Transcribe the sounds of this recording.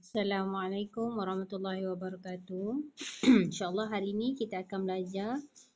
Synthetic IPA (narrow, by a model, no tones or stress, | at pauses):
asalamʕalajkʊmwaɾˤɑhmat̪ulːɑɦiwabaɾɑkaːt̪u | inʃaʔlːɑɦaɾiːnikit̪aːkanmblad͡ʒa